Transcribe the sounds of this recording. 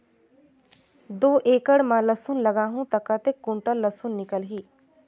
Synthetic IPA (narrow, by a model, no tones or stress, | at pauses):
d̪oːʔeːkəɽmãləsunlɐɡaːɦũt̪ɐkat̪ekːũɳʈəlːəsunːɪkəlɦiː